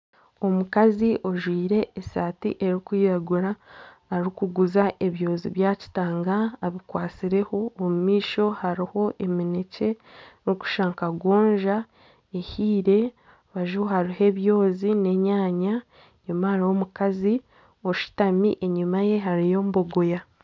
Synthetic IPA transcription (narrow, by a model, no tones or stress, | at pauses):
o̞mukaziʔo̞ʒwiːɾe̞ːsaːtḭʔe̞ɾikwiːɾaɡuɾaː | ɾikuɡuzaʔe̞βjo̞ːzḭβjaːci̥taːŋɡaːβikwaːt͡siɾe̞ho̞ːmumiːʃo̞haɾiho̞ʔe̞minece̞ɾuku̥ʃaːŋkaɡwoːɲʒa | ehiːɾe̞ | βaʒuhaɾihe̞βjo̞ːzine̞ɲaːɲa | ɲumahaɾiho̞mukazi | o̞ʃi̥tamḭʔeɲumaje̞ɦaɾijo̞ːmbo̞ɡoja